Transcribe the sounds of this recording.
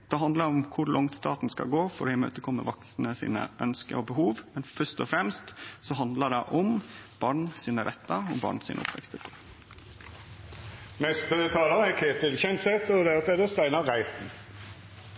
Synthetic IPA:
d̪̥ɛɦɑnd̪ləɾʊmkʰʊɾlʔɔŋt̪st̪ɑːt̪nskɑ̰ɡoːfɔɾɪmø̰ːt̪əkʰɔmːə̰ʋɑksnəsḭːnə̰ʔœnskə̰ɔbəɦuːʋmɛnfœʂt̪ɔfɾɛmst̪sɔɦɑnd̪ləɖɛʔɔmb̥ɑːɳsiːnəɾʔɛt̪ːɑɔbɑ̰ːɳsḭːnəʊ̰pʋɛ̰kst̪əpʰɔ | mɛst̪ət̪ʰɑːlɑʁəækʰeːt̪ɪlçɛnsɛt̪ɔd̪ɛɑt̪ɛd̪əst̪æɪnɑʁæɪt̪n̩

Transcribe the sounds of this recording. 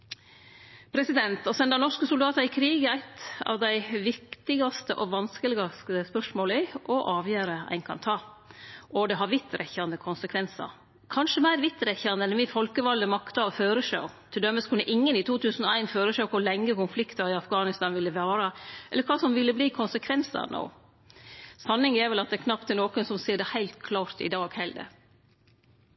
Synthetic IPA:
pʰɾɛsɪd̪ɛnt̪ɔsɛnd̪ɑnɔʂkəsʊld̪ɑːt̪ɑɾɪkʰɾiːɡæɾæɪt̪ɑ̰ʋd̪æɪʋɪkt̪ɪɡɑst̪əʔɔʋɑnskəlɪɡɑst̪əspœʂmoːlɪʔɔʔɑːʋjøːɾəæ̰ɪnkʰɑ̰nt̪ʰɑː | ʔɔd̪ɛɦɑɾʋɪt̪ːɾʔɛçɑnd̪əkʰʊnsəkʰʋɛnsɑ̰ɾ | kʰɑnʂəmæɪɾʋɪt̪ːɾɛçɑnd̪əɛnʋɪfɔlkəʋɑld̪əmɑkt̪ɑɔføːɾəʂɑ̰ʊt̪ʰɪld̪œmːəskʰʉnːəʔɪŋːənɪt̪ʰuːt̪ʰʉːsn̩ɔæɪnføːɾəʂɛkʰʊlɛŋːəkʊnflɪkt̪ɑɾɪɑfɡɑːnɪst̪ɑːnʋɪlːəʋæːɾəʔɛ̰lːəɾkʰʋɑːsɔmʋɪlːəbliːkʰʊnsəkʰʋɛnsɑ̰no̰ː | sɑnːɪŋɛɾʋɛlɑt̪̚d̪ɛkʰnɑp̚t̪ʰːɪnoːkənsɔmsiːɖɛhæɪlt̪kʰlɑːɾt̪ɪ̰d̪ɑːɡhɛɪld̪ɛ̰

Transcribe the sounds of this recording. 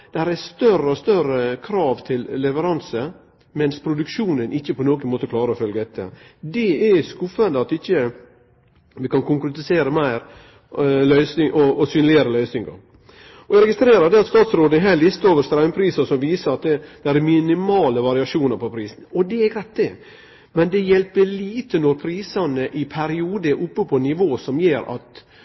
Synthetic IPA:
d̪̥ɛæɾɛst̪œɾəɔst̪œɾəkʰɾɑːʋt̪ʰɪlːɛʋəɾɑnsə | mɛnspʰɾʊd̪ʉkʃuːnənʔɪçːəpʰɔnoːɡənmoːt̪əklɑːɾəɔfœlɡəd̪ɛt̪ːə̰d̪ɛɛskʊfənd̪əɑt̪ɪçːə | ʋɪkɑnkʊŋkɾɛt̪ɪseːɾəmæɪɾ | lœʏsnɪŋʔɔʔːsyːnlɪəɾəlœʏsnɪŋɡə̰ɾ | ɔæɾɛɡɪst̪ɾeːɾɑd̪ɛɑt̪st̪ɑːt̪sɾoːd̪əɛɦæːlɪst̪əoːʋəst̪ɾæʉmpʰɾiːsəsɔmʋiːsəɾɑt̪̚d̪ɛd̪̥ɛæɾɛmɪnɪmɑːləʋɑɾɪɑʂuːnəɾpʰɔpʰɾiːsn̩ɔd̪ɛɛɡɾæɪt̪̚d̪ɛ | mɛnd̪ɛjɛlpːəliːt̪ənɔɾpʰɾiːsɑnəʔɪpʰæɾɪuːd̪əɛɾʔʊpːəpʰɔnːɪʋoːsɔmjeːɾɑ̰t̪

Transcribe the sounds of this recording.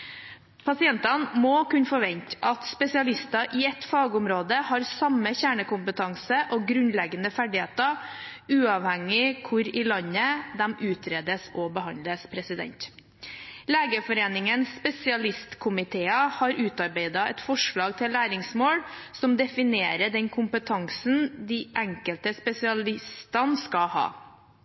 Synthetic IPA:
pʰɑsɪɛnt̪ɑnmɔkʉnfɔɾʋɛɲt̪ʔɑt̪spɛsɪɑlɪst̪ɑʔɪɛt̪fɑːɡəʊmɾoːd̪əhɑːɾsɑməçæːɳəkʊmpət̪ʰɑŋsəʔɔɡɾʉnlɛɡənəfæɖɪheːt̪ə | ʉːɑʋhɛŋɪkʰʊɾɪlɑnəd̪ɛmʔʉːt̪ʰɾeːd̪əsɔbəhɑnləspʰɾɛsɪd̪ɛ̰nt̪ | leːɡəfɔɾeːnɪŋənspɛsɪɑlɪst̪kʰʊmɪt̪ʰeːəhɑɾʉːt̪ɑɾbeɪd̪ɑʔɛ̰t̪fɔʂɭɑːɡ̚t̪ʰɪlːæːɾɪŋsmoːɽsɔmd̪ɛfɪneːɾəɖɛnkʰʊmpət̪ʰɑŋsn̩d̪iʔæŋkəlt̪əspɛsɪɑlɪst̪ɑnskɑhɑ̰ː

